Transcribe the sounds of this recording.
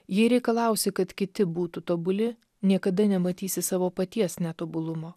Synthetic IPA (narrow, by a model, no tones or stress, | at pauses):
jɪɾʲɛɪkɐlˠɐˑʊsʲɪkɐt̪kʲɪt̪ʲɪbuːt̪ut̪oːbʊlʲɪ | nʲiɛkɐd̪ɐnʲɛmɐt̪ʲiːsʲɪsɑːʋoːpɐt̪ʲiɛsnʲɛt̪oːbʊlˠʊmoː